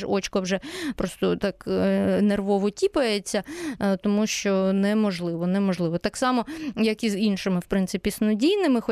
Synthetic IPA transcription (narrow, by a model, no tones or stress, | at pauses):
ɔt͡ʃkɔwʒɛpɾɔst̪ɔt̪ɑknerʋɔʋɔtʲipɐjet͡sʲːɐt̪ɔmuʃt͡ʃɔnɛmɔʒlˠɪʋɔnɛmɔʒlˠɪʋɔt̪ɑksɑmɔjɐkizinʃɪmɪwpɾɪntsɪpʲisnɔdʲijnɪmɪxɔ